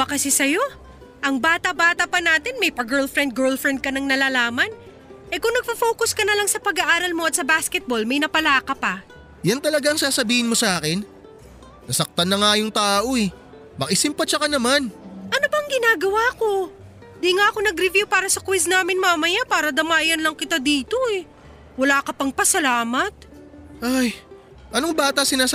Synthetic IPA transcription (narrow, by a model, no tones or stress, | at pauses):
bɐkɐsɛsɐjo̞ | ʔɐŋbaːt̪ɐbaːt̪ɐpɐnaːt̪ɪnmɐjpɐɡɛɹlfɾɛnd̪̚ɡɛɹlfɾɛnd̪̚kɐnɐŋnɐlaːlaːmɐn | ʔɛkʊŋnɐɡ̚pɐfo̞ːkʊskɐnɐlɐŋsɐpɐɡɐʔaːɾɐlmo̞ʔɐt̪̚sɐbaskɛt̪̚bo̞lmɐjnɐpɐlaːkɐpɐ | jant̪ɐlɐɡaɐŋsaːsɐbiːhɪnmo̞sɐʔaːkɪn | nɐsɐk̚t̪ɐnːɐŋajoŋt̪aːʔoɛ | mɐkɪsɪmpɐt͡ʃɐkɐnɐmanʔɐnobɐŋɡɪnaːɡɐwaːko̞ | d̪iŋaʔɐko̞nɐɡɾɪvjupaːɾɐsɐkwisnaːmɪnmaːmɐjapaːɾɐd̪ɐmaːjɐnlɐŋkɪt̪ad̪iːt̪o̞ɛ | wɐlaːkɐpɐŋpɐsɐlaːmɐt̪̚ | ʔaj | ʔɐnoŋbaːt̪ɐsɪnaːs